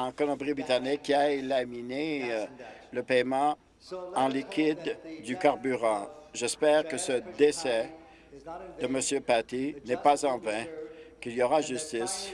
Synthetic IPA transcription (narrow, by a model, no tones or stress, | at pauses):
ɑ̃kɔlɔ̃bʁibit̪anɛkʲːiaelamine | ləpɛjmɑ̃ | ɑ̃likʲʰid̪ːykaʁbyʁɑ̃ʒɛspɛːʁkəsəd̪esɛ | d̪əməsjøpat̪inɛpazɑ̃vɛ̃kʲiljɔʁaʒyst̪is